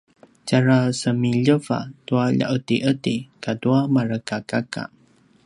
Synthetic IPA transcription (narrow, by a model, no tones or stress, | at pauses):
caɾasəmiʎəva̰tuaʎa̰ʔətiʔətikaduamaɾəkakaka̰